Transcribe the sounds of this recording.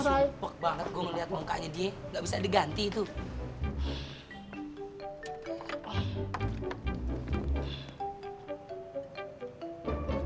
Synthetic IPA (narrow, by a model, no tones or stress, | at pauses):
sajwak̚t̚baŋət̪̚ɡoŋəliɦat̪̚mɔŋka̰ʔɲadieŋɡaʔbisadiɡant̪iːt̪u